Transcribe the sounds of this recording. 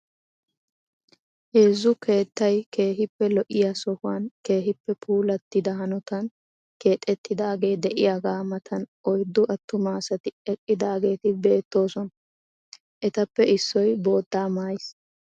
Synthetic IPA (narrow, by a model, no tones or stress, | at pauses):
heːzːʊkʰe̞ːt̪ːɐjke̞ːɦɪpːɛlɔʔɪjasɔhʊwɐnke̞ːɦɪpːɛpʰuːlɐt̪ːɪd̪ɐhɐnɔt̪ɐn | ke̞ːt̪ʼːɛt̪ːɪd̪aːɡe̞ːd̪ɛʔɪjaːɡaːmɐt̪ʰɐnʔɔjd̪ːʊʔɐt̪ːʊmaːsɐt̪ɪɛkʼːɪd̪aːɡe̞ːt̪ɪbe̞ːt̪ːo̞ːsɔn | ʔɛt̪ɐpːɛɪsːɔjbo̞ːd̪ːaːmaːjɪs